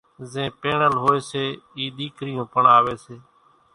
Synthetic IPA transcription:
zẽːpeːɳəlɦoːeːseːiːɗ̪iːkʰɾɪjõːpəɳaːʋeːseː

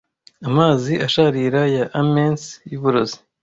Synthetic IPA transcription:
amaːziʔaʃaɾiːɾajaʔːmensjuβuɾozi̥

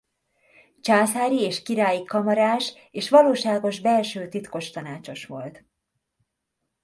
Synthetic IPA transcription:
t͡ʃaːsaːɾieːʃkiɾaːjikɒmɒɾaːʃ | eːʃʋɒloːʃaːɡo̞ʒbɛlʃøːt̪it̪ko̞ʃt̪ɒnaːt͡ʃo̞ʃʋo̞lt̪

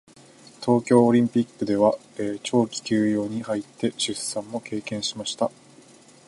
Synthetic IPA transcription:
t̪ʰo̞ːkʲo̞ːɾʲĩmpʲikːɯ̟d̪e̞βaeːt͡ɕo̞ːkʲi̥kʲɨːjo̞ːɲ̟ihait̪ːe̞ɕɨssãmːo̞ke̞ːkẽ̞ɰ̃ɕimaɕi̥t̪a

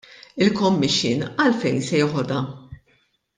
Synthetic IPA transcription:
ɪlkɔmːɪʃːɪ̰ːnɐlfɛjnsɛjɪħɔd̪ɐ

